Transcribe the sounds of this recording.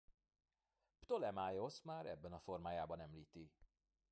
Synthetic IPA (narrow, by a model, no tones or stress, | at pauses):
pt̪olɛmaːjo̞smaːɾɛ̰bːɛnɒfo̞rmaːjaːbɒnɛmliːt̪i